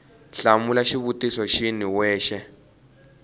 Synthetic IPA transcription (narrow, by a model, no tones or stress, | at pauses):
ɬamulaʃiβutisɔʃiniwɛːʃɛ